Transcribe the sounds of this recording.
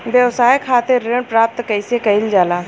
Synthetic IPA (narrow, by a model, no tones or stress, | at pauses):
ʋjəwsaːjkʰaːt̪eɾeɳpɾaːp̚t̪kɐɪsekɐɪld͡ʒaːlaː